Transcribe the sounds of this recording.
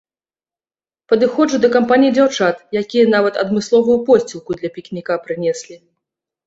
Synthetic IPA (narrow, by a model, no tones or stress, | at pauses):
pɐd̪ɨxɔʐud̪ɐkampanʲijid͡zʲawt͡ʂat̪jakʲijɐn̪avɐt̪ɐ̰d̪mɨslˠɔvujupɔsʲt͡sʲilˠkud̪lʲɐpʲiknʲikapɾɨnʲɛsʲlʲi